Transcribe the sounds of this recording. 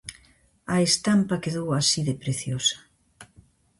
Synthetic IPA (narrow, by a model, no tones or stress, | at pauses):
ɐest̪ampɐkeðowasiðepɾeθjosɐ̥